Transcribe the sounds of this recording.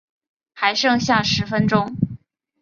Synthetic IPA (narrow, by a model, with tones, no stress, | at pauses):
xa˧˥ɪʂɤ˥˧ŋɕja˥˩ʂɻ̩˧˥fə˥nʈ͡ʂʊ˥ŋ